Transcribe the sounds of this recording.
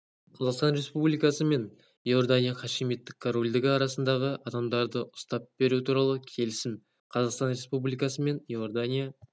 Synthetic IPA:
qʰɑzɑqst̪ɑnɾe̞spublijkɑsəme̞n | jo̞rd̪anʲijaχɑʃimjet̪ːɪkkʰːoɾolʲd̪ɪɡʲɪɑɾɑsənd̪ɑʁəʔɑd̪ɑmd̪ɑɾd̪əʔʊ̥st̪ɑp̚b̥e̞ɾut̪ʰuɾɑlˠəkʲʰe̞lɪsɪn | qʰɑzɑqst̪ɑnɾe̞spublijkɑsəme̞njord̪anʲija

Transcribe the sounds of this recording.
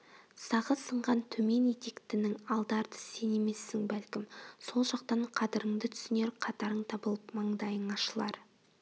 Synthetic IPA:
sɑʁəsəɴʁɑnt̪ʰɵme̞ne̞t̪e̞kt̪ɪnɪŋɑlˠd̪ɑɾd̪əse̞ne̞me̞sːɪŋbælkʲɪmso̞lˠʒɑq̚t̪ɑɴqʰɑd̪ɪɾəŋd̪ɪt̪ʰʏ̥sɪne̞ɾqʰɑt̪ɑɾəɴt̪ʰɑbəlˠəpmɑɴd̪ɑjəɴɑʃəlˠɑɾ

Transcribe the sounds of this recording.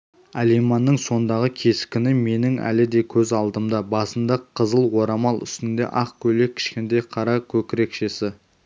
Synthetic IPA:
ælejmɑnːəɴso̞nd̪ɑʁəkʲʰe̞skʲɪnɪme̞nɪŋæ̰lɪd̪e̞kʲʰɵzɑlˠd̪əmd̪ɑbɑsənd̪ɑqʰəzəlˠwo̞ɾɑmɑlˠʏ̰st̪ɪnd̪e̞̰ʔɑqkʲʰɵle̞kʲʰɪ̥ʃkʲend̪ejqʰɑɾɑkʲʰɵkʲɪɾe̞kʃe̞sɪ

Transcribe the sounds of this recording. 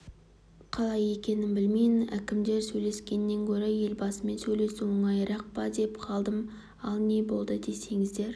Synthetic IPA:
qʰɑlˠɑje̞kʲe̞nɪnbɪlmejɪnækʲɪmd̪e̞ɾsɵjle̞skʲe̞nːe̞ŋkʲʰɵɾeje̞lbɑsəme̞nsɵjle̞sumʊɴɑjɾɑq̚pɑd̪e̞pqʰɑlˠd̪əm | ɑlˠne̞bo̞lˠd̪əd̪e̞se̞ŋɪzd̪e̞ɾ

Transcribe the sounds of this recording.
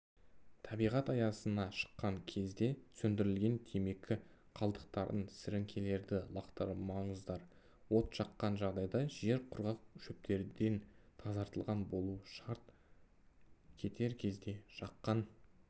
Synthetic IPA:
t̪ʰɑbijʁɑt̪ɑjɑsənɑʃə̥qːɑŋkʲʰe̞zd̪e̞sɵnd̪ɪɾɪlɡʲe̞nt̪ʰeme̞kʲʰɪ | qʰɑlˠd̪əq̚t̪ɑɾənsɪɾɪŋkʲʰe̞le̞ɾd̪ɪlˠɑqt̪əɾmɑɴəzd̪ɑɾ | wo̞t̪ʃɑqːɑnʒɑʁd̪ɑjd̪ɑʒe̞ɾqʰʊɾʁɑq̚ʃɵp̚t̪ʰe̞ɾd̪e̞nt̪ʰɑzɑɾt̪əlˠʁɑnbo̞lˠuʃɑɾt̪̚ | kʲʰe̞t̪ʰe̞ɾkʲʰe̞zd̪e̞ʒɑqːɑn

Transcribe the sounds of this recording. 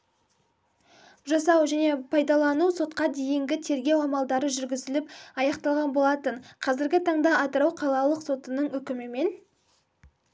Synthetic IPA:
ʒɑsɑwʒæne̞pʰɑjd̪ɑlˠɑnuso̞t̪̚qɑd̪e̞jɪŋɡʲɪt̪ʰe̞ɾɡʲe̞wɑmɑlˠd̪ɑɾəʒʏɾɡʲɪzɪlɪp̚ɑjɑqt̪ɑlˠʁɑnbo̞lˠɑt̪əɴqʰɑzɪɾɡʲɪt̪ʰɑɴd̪ɑɑt̪əɾɑwqʰɑlˠɑlˠəqso̞t̪ənəɴɵkʲɪmɪme̞n

